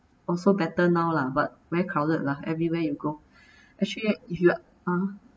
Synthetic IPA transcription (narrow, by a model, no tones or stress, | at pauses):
ɔlsobɛtənawlabat̚wɛkʰɹawlət̚laɛvɹiwɛjuɡo | ʔɛk̚t͡ʃəlifju | a